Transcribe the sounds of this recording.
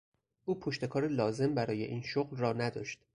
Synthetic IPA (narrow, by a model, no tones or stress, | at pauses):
ʔuːpʰoʃt̪e̞kʰɒːɾelɒːze̞mbæɾɒːje̞̰ʔiːnʃoɣlrɒːnæd̪ɒ̰ːʃt̪